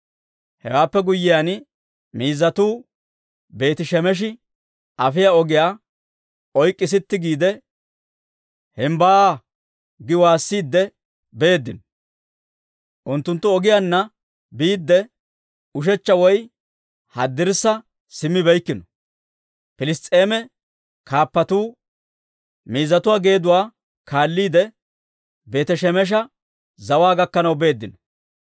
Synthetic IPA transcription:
hɛwaːpːɛɡʊjːɪjaːn | miːzːɐt̪uː | be̞ːt̪ɪʃɛmɛʃ̬ɪ | ʔɐfɪjaɔɡɪjaː | ɔjkʼːɪs̬ɪt̪ːɪɡiːd̪ɛ | hɛmba | ɡɪwaːsːiːd̪ːɛ | beːd̪ːɪnɔ | ʔʊnt̪ːʊnt̪ːʊɔɡɪjanːɐ | biːd̪ːɛ | ʊʃ̬ɛt͡ʃːɐwɔj | hɐ̰d̪ːɪɾsːɐ | sɪmːɪbɛjkːɪnɔ̥ | pɪlɪst̪ʼe̞ːmɛ | kʰaːpːɐt̪uː | miːzɐt̪ʊwaːɡe̞ːd̪ʊwaː | kaːlːiːd̪ɛ | be̞ːt̪ɛʃɛmɛʃ̬ɐ | zɐwaːɡɐkːɐnɐwbe̞ːd̪ːɪnɔ

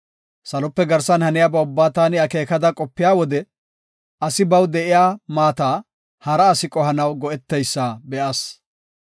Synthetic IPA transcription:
sɐlɔpːɛɡɐɾsɐnhɐnɪjabɐʊbːaːt̪aːnɪɐke̞ːkɐd̪ɐkʼɔpːɪjaːwɔd̪ɛ | ɐsɪbɐwd̪ɛʔɪjaːmaːt̪aː | hɐɾɐːsɪkʼɔɦɐnɐwɡɔʔɛt̪ːɛjsːaːbɛʔaːs

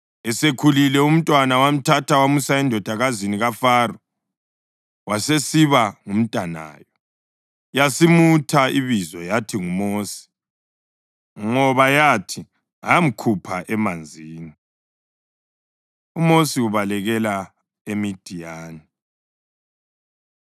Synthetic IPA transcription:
ɛsekʰulilɛum̩tʼwanawam̩tʰatʰawamusaɛndʱɔd̥ʱaɣaziniɣafaːrɔ | wasesiβaŋum̩tʼana̰ːjɔ | jasimutʰaiβizɔjatʰiŋumoːsi̥ | ŋɔβajatʰi | aam̩kʰupʰaʔɛmand͡zʱiːni | umosiuβalɛɣɛla | emid̥ʱijaːni

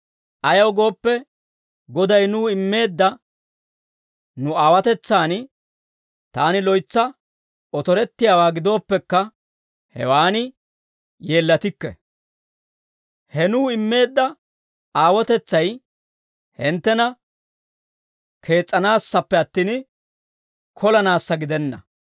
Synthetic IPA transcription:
ʔɐjɐwɡo̞ːpːɛ | ɡɔd̪ɐjnuːɪmːe̞ːd̪ːɐ | nʊaːwɐt̪ɛt͡sːaːn | t̪aːnɪlɔjt͡sːɐ | ɔt̪ɔɾɛt̪ːɪjaːwaːɡɪd̪o̞ːpːɛkːɐ | hɛ̰waːnɪ | je̞ːlːɐt̪ɪkːɛ̰ | hɛnuːɪmːe̞ːd̪ːɐ | aːwɔt̪ɛt͡sːɐj | hɪnt̪ːɛnɐ | kʰe̞ːt͡sʼːɐnaːsːɐpːɛɐt̪ːiːn | kʰɔlɐnaːsːɐɡɪd̪ɛnːɐ̰

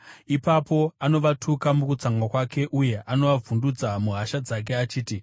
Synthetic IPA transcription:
ipapo̞ano̞ʋatʰukamukut͡saŋɡwakwake̞ʔuje̞ʔano̞ʋavundud͡zamuɦaʃad͡zak̬e̞at͡ʃiːti

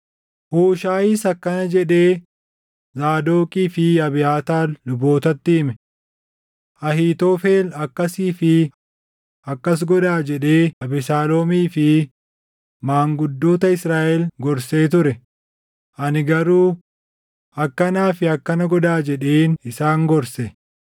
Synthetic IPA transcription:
huːʃaːʔiːsɐkːɐnɐd͡ʒɛᶑe̞ː | zaːd̪oːkʼiːfɪɐbɪjaːt̪aːlːʊbo̞ːt̪ɐt̪ːɪːmɛ | ʔɐɦiːt̪oːfe̞ːlɐkːɐsiːfɪ | ɐkːɐs̬ɡɔd̪aːd͡ʒɛᶑe̞ːɐbɪsaːloːmiːfɪ | maːŋɡʊd̪ːo̞ːt̪ɐɪsɾaːʔɛlɡɔɾse̞ːt̪ʊɾɛ | ʔɐnɪɡɐɾuː | ɐkːɐnaːfɪɐkːɐnɐɡɔd̪aːd͡ʒɛᶑeːnɪsaːŋɡɔɾsɛ

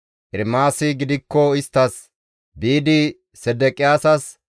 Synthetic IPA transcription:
ʔɪɾmaːsɪɡɪd̪ɪkːɔɪst̪ːɐs | biːd̪ɪ | sɛd̪ɛkʼɪjaːsɐs

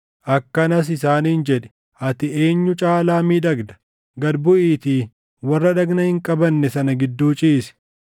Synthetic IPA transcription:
ʔɐkːɐnɐs̬ɪsaːniːnd͡ʒɛᶑɛ̥ | ʔɐt̪ɪe̞ːɲːʊt͡ʃʼaːlaːmiːᶑɐɡd̪ɐ̥ | ɡɐd̪bʊʔiːt̪iː | wɐrːɐᶑɐɡnɐhɪŋkʼɐbɐnːɛsɐnɐɡɪd̪ːuːt͡ʃʼiːsɛ̥

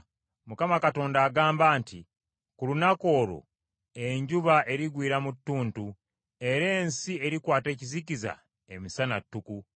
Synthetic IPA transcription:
mukamakato̞ːndaːɡaːmbaːnti | kulunako̞ːlo̞̰ | eɲɟuβaʔe̞ɾiɡwiːɾamutːuːntu | e̞ɾe̞ːnsie̞ɾikwaːte̞ːciziciza̰ | e̞misana̰tːuku

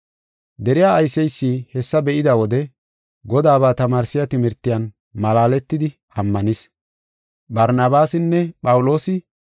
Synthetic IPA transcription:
d̪ɛɾɪjaːjsɛjsːiːhɛsːɐbɛʔɪd̪ɐwɔd̪ɛ | ɡɔd̪aːβaːt̪ɐmaːɾsɪjɐt̪ɪmɪɾt̪ːɪjɐn | mɐlaːlɛt̪ːɪd̪ɪ | ɐmːɐnɪs | bɐɾnɐbaːsɪnːɛpʼɐwʊlo̞ːsɪ

